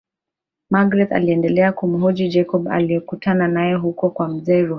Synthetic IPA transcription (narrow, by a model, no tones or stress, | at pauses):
maɡɾɛt̪a̰liɛndɛlɛakum̩ɦɔd͡ʒid͡ʒɛkɔba̰lijɛkutananajɛɦukɔkwam̩zɛːɾu